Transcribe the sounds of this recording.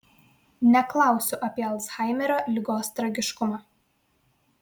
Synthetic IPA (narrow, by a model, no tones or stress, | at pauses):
nʲɛklˠɑˑʊsʲʊʔɐpʲiɛɐlˠsxɑˑɪmʲɛɾoːlʲɪɡoːst̪ɾɐɡʲɪʃkʊmɑː